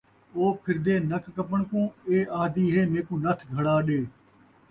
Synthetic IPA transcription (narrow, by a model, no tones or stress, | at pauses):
oːpʰɪɾd̪eːnəkkəpəɳkõːeːʔaːd̪iːɦeːmẽːkũːnət̪ʰɡʱəɽaːɗeː